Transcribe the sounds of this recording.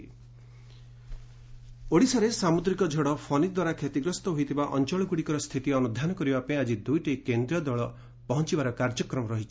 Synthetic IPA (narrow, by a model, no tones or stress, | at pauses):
oɽisaɾesamud̪ɾikɔd͡ʒʱɔɽɔpʰɔnid̪waɾakʰet̪iɡɾɔst̪ɔɦoit̪ʰibaʔɔnt͡ʃɔɭɔɡuɽikɔɾɔst̪ʰit̪iɔnud̪ʱanɔkɔɾibapead͡ʒid̪ujʈekend̪ɾiɔd̪ɔɭɔ | pɔɦɔnt͡ʃibaɾɔkaɾd͡ʒɔkɾɔmɔɾɔɦit͡ʃʰi̥